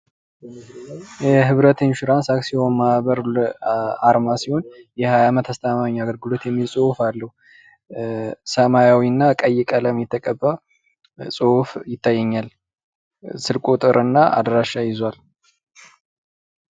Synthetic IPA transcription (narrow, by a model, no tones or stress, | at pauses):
jɛɦɨβɾət̪ʰenʃɪɾansaksiho̞nmaβəɾlaɾmasiho̞njɛhajamət̪ʰast̪ʰəmamaɲːaɡəɾɡɨlo̞t̪jɛmːisʼohfalːəhu | səmajawinːakʼəjɛkʼələmjɛt̪ʰːəkʼəbːa | sʼofjɪt̪ʰːajːɛɲːal | sɨlkʼot̪ʼɨɾʔɨnːaʔa̰d̪ɾaʃːajɪzal